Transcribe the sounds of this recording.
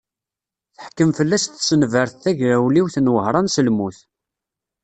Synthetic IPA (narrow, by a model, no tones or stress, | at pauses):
θə̥ħkːəmfəlːæsθsənvəɾθθæʝɾæwliwθənwəhɾˤɑnsəlmuθ